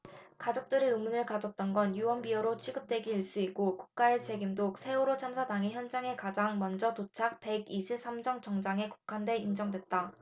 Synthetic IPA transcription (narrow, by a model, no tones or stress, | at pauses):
kad͡ʑok̚t͈ɯɾiɯmunɯɭkad͡ʑʌk̚t͈ʌnɡʌnjuwʌnbiʌɾot͡ɕʰiɡɯp̚t͈we̞ɡiiɭs͈uiɡ͈okuk̚k͈ae̞t͡ɕe̞ɡimdok̚sʰe̞oɾot͡ɕʰamsʰadaŋiçjʌnd͡ʑaŋe̞kad͡ʑaŋmʌnd͡ʑʌtot͡ɕʰak̚pe̞ɡiɕʰip̚s͈amd͡ʑʌŋt͡ɕʌŋd͡ʑaŋe̞ku̥kʰande̞ind͡ʑʌŋdwe̞t̚t͈a